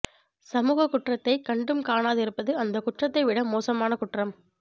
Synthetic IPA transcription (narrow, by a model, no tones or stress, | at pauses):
sɐmuːɣɐkːʊʈrɐt̪ːɐɪkɐɳɖɯmkaːnaːðɪɾɯpːɐðɯɐnd̪ɐkʊʈrɐt̪ːɐɪʋɪɽɐmoːsɐmaːnɐkʊʈrɐm